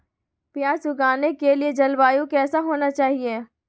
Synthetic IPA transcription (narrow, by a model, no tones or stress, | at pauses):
pjaːsʊɡaːnekelied͡ʒɐlbaːjũkɛːsaɦoːnat͡ʃaːɦieː